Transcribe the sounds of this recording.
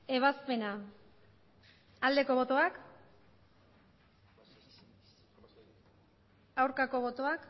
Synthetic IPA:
e̞β̞aspe̞na | ald̪e̞ko̞βo̞t̪o̞ak | awɾkako̞βo̞t̪o̞ak

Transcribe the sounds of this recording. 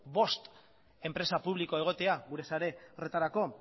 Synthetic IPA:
bo̞st̪ | e̞mpɾe̞sapuβliko̞e̞ɣ̞o̞t̪e̞aɣuɾe̞saɾe̞ret̪aɾako̞

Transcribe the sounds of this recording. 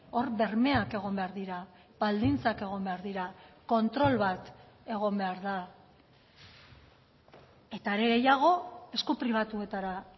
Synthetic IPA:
o̞ɾβe̞ɾme̞ake̞ɣ̞o̞mbeaɾðiɾa | β̥ald̪int͡sake̞ɣ̞o̞mbe̞aɾðiɾako̞nt̪ɾo̞lβat̪ | e̞ɣ̞o̞mbe̞aɾða | e̞t̪aeɾe̞ɣe̞jaɣ̞o̞e̞skupɾiβ̞at̪ue̞t̪aɾa

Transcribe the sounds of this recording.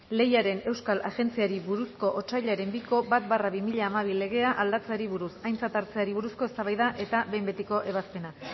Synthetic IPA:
le̞jaɾe̞ne̞wskalaɣe̞nt͡siaɾiβuɾusko̞ʔot͡ʃajʎaɾe̞mbiko̞bat̪̚baraβimiʎaːmaβ̞ile̞ɣe̞aʔald̪at͡seaɾiβuɾusajnt͡sat̪aɾt͡seaɾiβuɾusko̞e̞st̪aβajðaʔe̞t̪aβe̞jmbe̞t̪iko̞ʔe̞βaspe̞na

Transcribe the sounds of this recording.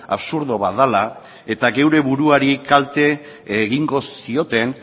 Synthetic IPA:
a̰βsuɾðoβaðala | e̞t̪aɣe̞wɾe̞βuɾuaɾikalt̪e̞ | ɣiŋɡo̞s | io̞t̪e̞n

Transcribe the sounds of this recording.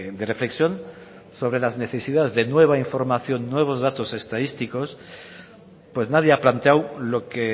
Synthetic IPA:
d̪ere̞fle̞ksjo̞n | so̞β̞ɾe̞lazne̞θe̞sið̞aðezðe̞nwe̞β̞aiɱfo̞ɾmaθjo̞nːwe̞β̞o̞zðat̪o̞se̞st̪aðist̪iko̞s | pwe̞znað̞je̞aplant̪eawlo̞ke

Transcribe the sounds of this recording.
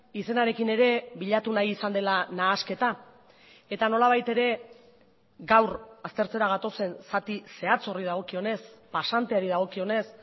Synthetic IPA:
ise̞naɾe̞kine̞ɾe̞βiʎat̪unajiːsand̪e̞lanaːske̞t̪a | e̞t̪ano̞laβ̞ajt̪e̞ɾe̞ | ɡawɾast̪e̞ɾt͡se̞ɾaɣ̞at̪o̞se̞nsat̪ise̞at͡so̞riðaɣ̞o̞kio̞ne̞spasant̪eaɾiðaɣ̞o̞kio̞ne̞s

